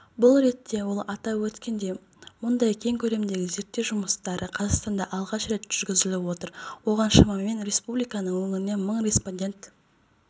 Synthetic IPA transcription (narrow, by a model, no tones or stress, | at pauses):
bʊlˠɾe̞t̪ːe̞wo̞lˠɑt̪ɑwɵt̪kʲe̞nd̪e̞ | mʊnd̪ɑjkʲʰe̞ŋkʲʰɵle̞md̪e̞ɡʲɪze̞ɾt̪ːe̞wʒʊməst̪ɑɾəqʰɑzɑqst̪ɑnd̪ɑʔɑlˠʁɑʃɾe̞t̪ʒ̥ʏɾɡʲɪzɪlɪwo̞t̪əɾwo̞ʁɑnʃɑmɑmːe̞nɾe̞spublijkɑnəɴwɵŋɪɾɪne̞məɴɾe̞sponʲdʲe̞nt̪